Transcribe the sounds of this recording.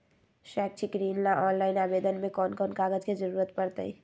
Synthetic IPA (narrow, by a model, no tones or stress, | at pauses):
ʃɛːk̚t͡ʃʰiɡɾiːnlaʔɔːnlaːɪnaːbeːd̪ənmẽkɔːnkɔːnkaːɡəd͡ʒked͡ʒəɾuːɾət̪pəɾt̪ə̰ḭ